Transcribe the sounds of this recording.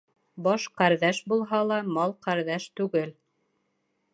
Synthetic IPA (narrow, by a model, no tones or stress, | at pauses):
bɑʃqæɾðæʃbulˠɦɑlˠɑmɑlˠqæɾðæʃt̪ʉɡɘl